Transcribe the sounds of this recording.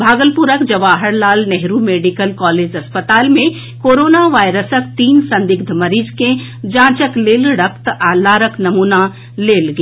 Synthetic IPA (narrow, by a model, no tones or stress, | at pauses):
bʱaːɡəlpuɾəkd͡ʒɐʋaːɦəɾlaːlnɛɦɾumeːɖikəlkɔːleːd͡ʒɐspət̪aːlmẽ | koːɾoːnaʋaːjɾəsək̚t̪iːnsɐ̃nd̪ɪɡ̚d̪ʱmɐɾiːd͡ʒkẽ | d͡ʒãːt͡ʃəkleːlɽəkʰt̪aːlaːɾəknɐmuːna | leːlɡ